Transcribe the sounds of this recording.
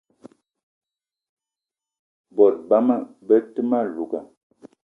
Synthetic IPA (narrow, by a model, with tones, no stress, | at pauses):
bɔ˨t̚ba˦ma˦˨bə˦tɨ˦ma˦˨lu˨ka̰˨